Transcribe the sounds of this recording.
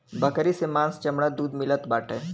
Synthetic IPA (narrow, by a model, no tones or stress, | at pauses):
bʱɐkɾisemãːnst͡ʃɐmɽad̪uːd̪mɪlət̪baːʈẽː